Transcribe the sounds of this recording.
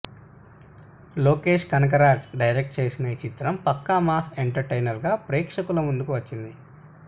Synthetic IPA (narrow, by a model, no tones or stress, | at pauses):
loːke̞ːʂkɐnɐk̬ɐɾaːd͡ʒɖɐjɾek̚ʈ̚t͡ʃe̞ːsinɐit͡ʃit̪ɾɐmpɐkːamaːseɳʈɐɾʈejnɐɾɡaːpɾɛːkʂɐkulɐmund̪ukuʋɐt͡ʃːind̪i